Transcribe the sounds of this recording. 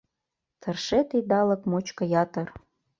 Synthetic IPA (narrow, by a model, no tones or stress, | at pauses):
t̪ʰə̆rʃet̪id̪ɑlə̆kmot͡ɕkɤ̆jɑt̪ə̆r